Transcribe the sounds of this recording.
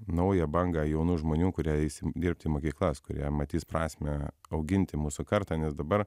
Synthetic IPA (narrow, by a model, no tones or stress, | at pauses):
nɐʊjɛbɐŋɡɑjɛʊnuːʒmoːnʲuːkʊɾʲiɛɪsʲɪd̪ʲɪrʲpʲt̪ʲɪiːmoːkʲiːklˠɐskʊɾʲḭɛmɐt̪ʲiːspɾɑːsʲmʲɛɐʊɡʲɪnʲt̪ʲɪmuːsʊkɐɾt̪ɑːnʲɛsd̪ɐbɐɾ